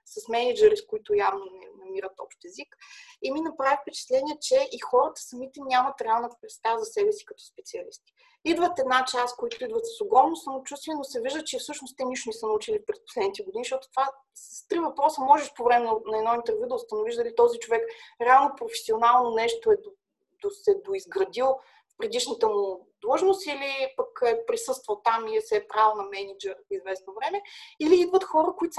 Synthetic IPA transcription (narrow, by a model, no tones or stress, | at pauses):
sɐsmɛnid͡ʒɛɾiskoit̪ʊjavnonɛ̰nɐmiɾət̪ɔpʃt̪ɛzikiminɐpɾavʲit̪pɛt͡ʃɛ̥t̪lɛnʲiɛt͡ʃɛʔixɔɾət̪ə̥sɐmit̪ɛnʲamɐt̪ɾɛalˠnət̪pɾɛt̪st̪avzɐsɛbɛsi̥kɐt̪ɔ̥spɛt̪siɐlist̪i̥ | id̪vət̪ɛd̪nat͡ʃaskoit̪ʊid̪vət̪sɐ̥soɡɾɔmnosɐmot͡ʃust̪vʲiɛnosɛviʒd̪ət͡ʃɛfsɤʃnost̪ɛniʃonisənɐut͡ʃilipɾɛspo̥slɛd̪nit̪ɛɡʊd̪iniʃt̪ɔt̪ʊ̥t̪va | sə̥st̪ɾivɐpɾɔsəmɔʒɛʃpovɾɛmɛnnɐɛd̪nɔint̪ɛɾvʲjud̪əʊst̪ənʊviʒd̪ɐlit̪ɔzit͡ʃovɛkɾɛalˠnopɾofɛ̥sionalˠnonɛʃt̪oɛd̪o | d̪osɛd̪oizɡɾɐd̪ilˠ | fpɾɛd̪iʃnət̪əmʊd̪lˠɤʒnost̪ilipəkɛpɾisɤst̪vəlˠt̪amiɛsɛpɾavnɐmɛnid͡ʒɛɾizvɛsnovɾɛmɛiliid̪vət̪xɔɾəkoit̪